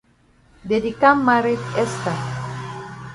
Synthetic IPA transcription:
d̪ed̪ikamːaɾet̪est̪a

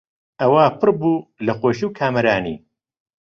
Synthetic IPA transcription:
ʔɐwaːpʰɨrbuːlɐxoːʃiwkʰaːmɐɾaːnḭː

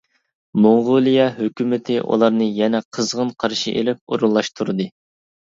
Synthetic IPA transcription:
moŋʁʊlˠijɑɦøkʲymɪt̪ʰɪʔṵlˠɑɾnɨjɛnɛqʰəzʁənqʰɑɾʃḭʔḛlɪp̚o̰ɾulˠːɑʃt̪ʰuɾɨd̪ɨ

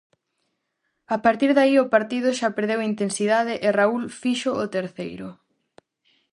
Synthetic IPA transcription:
apaɾt̪iɾðaiopaɾt̪iðʊʃapeɾðewint̪ensiðað̞ɪʔɪraulfiʃoot̪eɾθejɾʊ

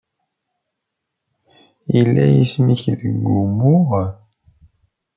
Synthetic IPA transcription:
jilːæjismiçðəɡʷːumʊʁ

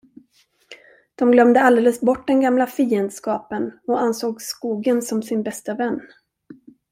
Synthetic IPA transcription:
d̪̥ɔmɡlœmd̪əald̪eːləsbɔʈːd̪ɛnɡamlafiːənd̪skɑːpənɔansoːɡskuːɡənsɔmsɪnbɛst̪avɛnː

